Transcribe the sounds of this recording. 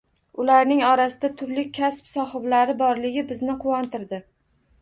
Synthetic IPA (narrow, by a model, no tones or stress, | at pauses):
ʊlaɾnɪŋɒɾasɪd̪at̪ʰʊɾlɪkʲʰːaspsɒχɨblaɾɪbɒɾlɪɡʲɪbɪznɪqʰʊwɒnt̪ɪɾd̪ɪ